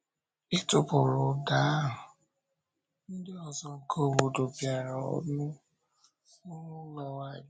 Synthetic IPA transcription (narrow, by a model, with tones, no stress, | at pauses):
i˦tʊ˨pʊ˨ɾʊ˨da˨˦ɦʊ˨ | n̩˦dɪ˦ɔ˨zɔ˨kʰo˦˨wo˨do˨bja˨ɾa˨ɔ̰˨dʊ̃˦ | ʊ˦ɾʊ˦lɔ˨wa˦˨˦